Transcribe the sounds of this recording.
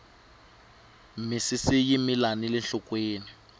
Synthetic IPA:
misisijimilanilɛnɬɔkweːni

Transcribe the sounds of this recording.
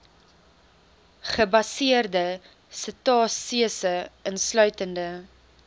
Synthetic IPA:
χəbɐsiərdə | sətɑːtsiəsəənslœɥtəndə

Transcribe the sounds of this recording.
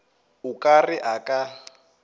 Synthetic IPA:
ʊkʼarɪʔakʼa

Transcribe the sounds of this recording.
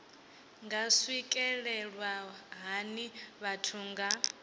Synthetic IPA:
ŋɡaswikʼɛɺɛɺwaɦaniβatʰuːŋɡa

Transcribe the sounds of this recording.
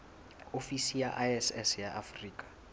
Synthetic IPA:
ofisijaʔaɛsɛsjaʔafriːkʼḁ

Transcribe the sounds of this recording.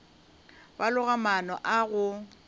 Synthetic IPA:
balʊɣamanɔʔaɣʊ

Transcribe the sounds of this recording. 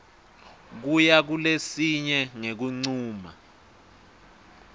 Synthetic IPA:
k̬ujak̬ulesiɲɛŋek̬uŋ͡ǀuːma̰

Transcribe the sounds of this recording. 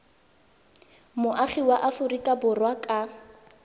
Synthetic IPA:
mʊʔaχiwaʔafʊrikʼabʊrwakʼa

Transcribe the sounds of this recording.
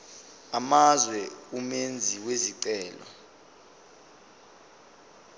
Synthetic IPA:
amazwɛumend͡zʱiweziǀɛːlɔ̰

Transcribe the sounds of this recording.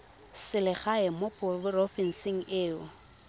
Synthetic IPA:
sɪlɪχaɛmʊpʰʼʊrʊrɔfɛn̩sɪŋ̩ʔɪːʊ

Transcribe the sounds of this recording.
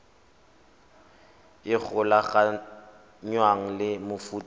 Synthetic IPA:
ɪk͡xʰʊlaχa | ɲwaŋ̩lɪmʊfuːtʼ

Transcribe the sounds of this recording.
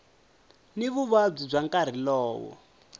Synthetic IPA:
niβuβab͡ʐub͡ʐaŋkaɾ̤ilɔːwɔ̰

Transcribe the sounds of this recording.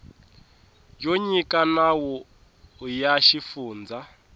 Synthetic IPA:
joɲikʼanawɔː | jaʃifuːnd͡za

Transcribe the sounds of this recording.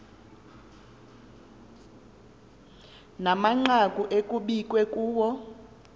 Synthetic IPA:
namaŋ͡ǃakʼuʔekʼuɓikʼwɛkʼuːwɔ

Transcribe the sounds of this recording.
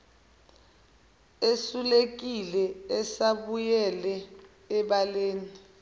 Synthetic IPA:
esulek̬ilɛɛsaɓujɛlɛː | ɓaleːni

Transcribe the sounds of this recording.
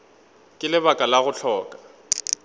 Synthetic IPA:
kʼɪlɪβakʼalaɣʊɬʰɔːkʼa

